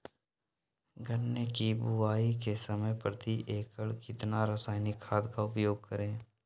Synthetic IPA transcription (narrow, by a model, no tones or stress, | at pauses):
ɡənːekibʊaːikesəməjpɾət̪ʰiʔeːkəɭkɪt̪naɾəsaːɪnɪkʰːaːd̪kaʊpjoːɡ̚kəɾẽː